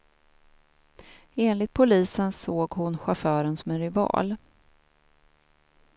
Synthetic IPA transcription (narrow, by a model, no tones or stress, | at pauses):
eːnlɪt̪̚pʰʊliːsənsoːɡhʊnɧafœːɾənsɔmɛnɾɪvɑ̰ːl